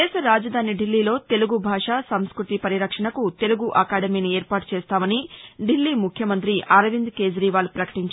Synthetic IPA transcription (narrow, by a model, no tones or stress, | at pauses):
ɛːʃɐɾaːd͡ʒɐd̪ʱaːniɖilːiːlo̞ːt̪e̞luɡubʱaːʂaːsɐmskɾut̪ipɐɾiɾɐkʂɐɳɐkut̪e̞luɡuʔɐkaːɖɐmiːnieːɾpaːʈu̥t͡ʃeːst̪aːmɐniɖilːiːmukʰjɐmɐnt̪ɾiʔɐɾɐʋind̪ke̞ːd͡ʒɾiːʋaːlupɾɐkɐ̥ʈiɲt͡ʃ